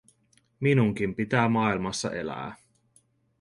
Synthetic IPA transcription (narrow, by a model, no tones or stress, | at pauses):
minuŋk̟impit̪æːmɑilmɑsːɑ̰ʔe̞̰læ̰ː